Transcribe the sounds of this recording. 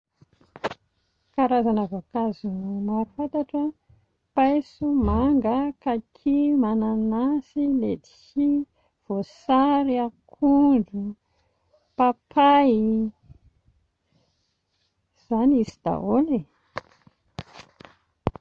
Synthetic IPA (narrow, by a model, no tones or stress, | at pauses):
kaɾazanəvakazunumafat̪aʈ͡ʂə | pajsumaŋɡəkakʰimananasiled̪i̥çi | v̥osaɾiakʰuɳɖ͡ʐu | papʰai | z̥anisid̪̥a̰ɦole